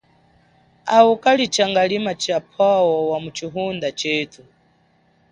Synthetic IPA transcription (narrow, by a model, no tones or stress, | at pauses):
aukʼalit͡ʃaŋɡalimat͡ʃapʰawɔwamut͡ʃiɦund̪at͡ʃɛːtʰu